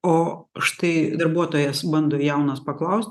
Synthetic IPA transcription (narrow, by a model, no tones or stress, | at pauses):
oːʃt̪ɐɪd̪ɐɾbuɔt̪oːjɛsbɐnd̪oːjɛʊnɐspɐklˠɐʊsʲt̪ʲ